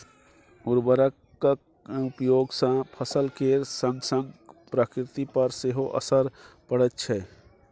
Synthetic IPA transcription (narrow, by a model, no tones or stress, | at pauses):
uɾbəɾəkː | ʊpjoːɡsãpʰəsəlkeɾsə̃ŋɡsə̃ŋɡpɾəkɾɪt̪ipəɾseɦoʔə̰səɾ | pəɽət̪t͡ʃʰɛ